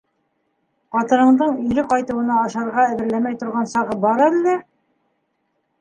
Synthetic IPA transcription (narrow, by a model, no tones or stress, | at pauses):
qɑt̪ɤ̆ɾɤ̆ɴd̪ɤɴɵ̆ɾɘqɑjt̪ɤ̆wɤ̆nɑːʃɑɾʁɑæðɘ̆ɾlæmæjt̪ŏɾʁɑnsɑʁɤbɑɾɤlːɘ